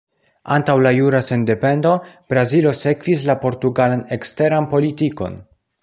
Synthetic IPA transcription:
a̰ntawlajuɾase̞nde̞pe̞ndo̞b̥ɾazilo̞se̞kvis̬lapo̞ɾtuɡalane̞kste̞ɾanpo̞litiko̞̰n

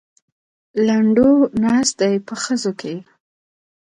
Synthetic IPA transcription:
laɳɖonɑst̪̚d̪ajpəxəzokʰe

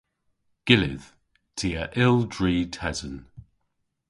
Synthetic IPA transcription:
ɡ̥ɪlɪ̰ð̥ | tʰiəʔɪlˠdɹiːtʰɛzə̃n

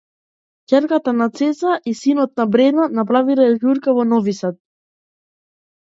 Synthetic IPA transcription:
cʲɛɾkat̪anat̪sɛsaʔisinɔt̪̚nabɾɛnanapɾaviɾaɡuɾkavɔnɔvisat̪̚

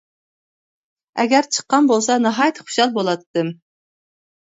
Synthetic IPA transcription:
ɛɡʲæɾt͡ʃʰə̥qːɑnbolˠsɑnɑɦɑjt̪ʰχu̥ʃɑlˠbolˠɑt̪ʰːɨm

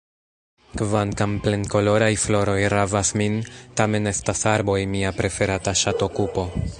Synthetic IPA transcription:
kvaŋkample̞nko̞lo̞ɾajflo̞ɾo̞jɾavasmintame̞ne̞stasaɾbo̞jmiapɾe̞fe̞ɾataʃatokupo̞

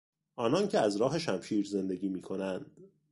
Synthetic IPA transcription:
ʔɒːnɒːncʰe̞æzɾɒːɦe̞ʃæmʃiːɾze̞nd̪e̞ɟiːmiːkʰo̞nænd̪̥

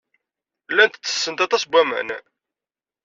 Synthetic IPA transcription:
lːænt̪ət͡sːə̥sːənt̪ɑt̪ˤɑsbʷæmæ̰n

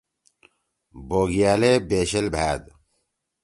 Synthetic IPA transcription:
boːɡijaːleːbeːɕɐlbʱaːd̪

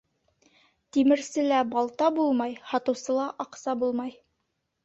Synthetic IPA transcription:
t̪imɘ̆ɾsɘlæbɑlˠt̪ɑbulˠmɑjhɑt̪ɤ̆wsɤ̆lˠɑʔɑqsɑbulˠmɑj

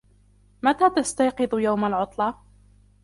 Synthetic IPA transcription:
mat̪aːt̪ast̪ajqɨðʊjawmalʕʊt̪ˤlɑ

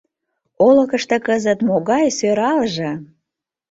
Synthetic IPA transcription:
olə̆kəʃt̪ĕkəzət̪moɣɑjsøɾɑlʒĕ

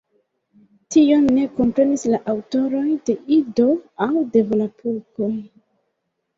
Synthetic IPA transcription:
tio̞nːe̞ko̞mpɾe̞nislaʔawto̞ɾo̞jde̞ʔido̞awde̞volapʰuɾko̞

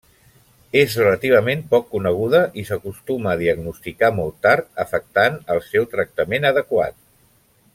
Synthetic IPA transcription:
ezrələt̪iβ̞əmempɔkːunəɣ̞uðəʔisəkust̪uməːðiəɡnust̪ikamɔlˠt̪aɾt̪əfək̚t̪anəlˠsɛwt̪ɾək̚t̪əmenəðəkwa̰t̪̚

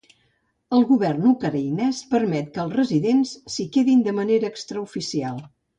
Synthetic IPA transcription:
əlˠɣuβɛrnukəɾəjnɛspəɾmɛt̪̚kəlˠsrəziðensːikeðind̪əməneɾəːkst̪ɾəufisialˠ

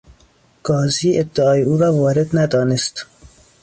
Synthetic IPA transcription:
ɡ̥ɒːziːʔeb̚d̪ɪɑːjeuːɾɒːvɒːɾed̪næd̪ɒːnest̪

